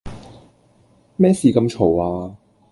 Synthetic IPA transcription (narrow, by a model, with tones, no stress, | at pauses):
mɛː˥siː˨kɐ˧mt͡ʃʰo˨˩waː˧